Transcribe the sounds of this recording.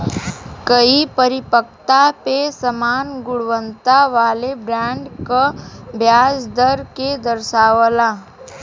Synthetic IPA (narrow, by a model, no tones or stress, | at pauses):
kəipəɾɪpək̚t̪apesəmaːnɡʊɽʋə̃nt̪aʋaːlebɾɛ̃ːɳɖkabʱjaːsd̪əɾked̪əɾʃaːʋəlaː